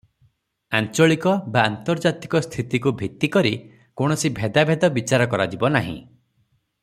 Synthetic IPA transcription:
ant͡ʃɔɭikɔbaːnt̪ɔɾd͡ʒat̪ikɔst̪ʰit̪ikubʱit̪ikɔɾi | koɽ̃ɔsibʱed̪abʱed̪ɔbit͡ʃaɾɔkɔɾad͡ʒibɔnaɦḭ̃

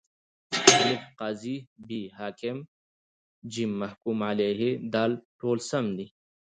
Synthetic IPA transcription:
alifqaːzibiːɦaːkem | d͡ʑimːɐhkumaleːɦed̪aːlʈoːlsɐmd̪i

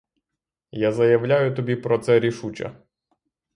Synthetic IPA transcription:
jazɐjɐʋlʲajʊt̪ɔbʲipɾɔt̪sɛɾʲiʃut͡ʃɐ̰

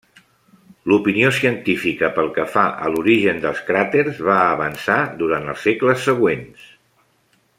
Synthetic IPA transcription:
lupiniosiənt̪ifikəpəlˠkəfaʔə̰luɾiʒənd̪əlˠskɾat̪eɾzβaəβənsad̪uɾant̪ə̰lˠsekləsːəɣ̞wens

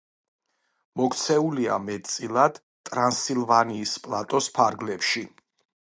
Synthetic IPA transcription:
mɔkt̪sʰɛulia̰mɛt̪̚ʼt̪sʼilˠad̪̥ | t̪ʼɾansilˠvaniːspʼlˠat̪ʼɔspʰaɾɡlɛpʃi

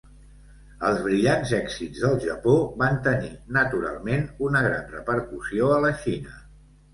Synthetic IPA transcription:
əlˠzβɾiʎanzɛkzidzðəlˠʒəpoβant̪əninət̪uɾa̰lˠmenunəɣɾa̰nrəpəɾkusioələʃinə

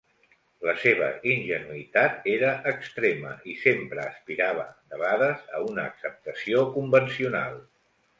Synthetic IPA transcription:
ləseβ̞ə̰inʒənuit̪at̪eɾəʔːkst̪ɾemə̰ʔisempɾəːspiɾaβ̞ə̰nəβaðəzə̰unəːksəp̚t̪əsiokumbənsiuna̰lˠ

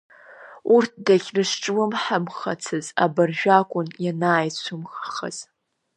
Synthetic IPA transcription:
urt̚ʰdaɡʲrɨʂʈ͡ʂʼwɨmħamχa̰t͡sʰɨza̰barʒᶣakʷʼʊnjanaːjt͡sʷʰʊmχaχə̰z̥

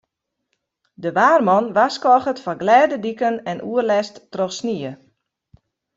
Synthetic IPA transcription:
dəʋaːrmɔnʋaskɔxətfɔɡlɛːdədikənɛnʔuərlɛstːrɔxsniə

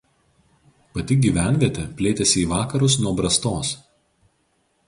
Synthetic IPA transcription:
pɐt̪ʲɪɡʲiʋʲæˑnʲʋʲiɛt̪ʲɛpʲlʲeːt̪ʲɛsʲɪiːʋɑːkɐɾʊs̬nuɔbɾɐst̪oːs

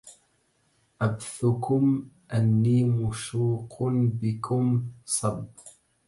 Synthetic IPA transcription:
ʔabθʊkʊm | ʔanːiːmʊʃuːqnbɪkʰʊmsˤɑb

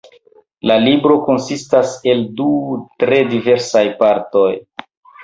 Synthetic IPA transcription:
lalibɾo̞ko̞nsistase̞ldutɾe̞dive̞ɾsajpaɾto̞j

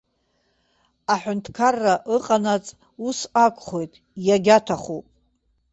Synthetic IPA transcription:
aħʷᶣʊntʰkʰarːaʔɨqʼanat͡sʼ | usakʷʰʼχo̞jtʼ | jaɡʲatʰaχopʼ

